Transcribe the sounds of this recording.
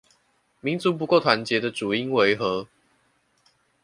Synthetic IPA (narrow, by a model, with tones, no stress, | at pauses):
mi˨˦nt͡su˨˦p̬u˧˦ko˥˩ʊt̪ʰwa˨˦nt͡ɕjɛ˨˦d̪ə˨ʈ͡ʂu˨˩i˦ŋwe˧˦ɪxɤ˨˦